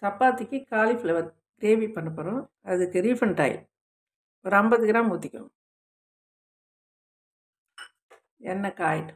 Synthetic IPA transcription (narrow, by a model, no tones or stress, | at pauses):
t̪ɐpːaːt̪ːɪkːɯkaːliflɐʋɐt̪̚ | ɡɾeːʋipɐnːɐpːoːɾʊ̃ | ɐðɯkːɯɾiːfɐɳʈɐ̰ɪ | ɔɾɯɐmbɐðɯɡɾaːmuːt̪ːɪkʲːʊ̰̃ | ɛnːɐkaːjɪʈːɯ̥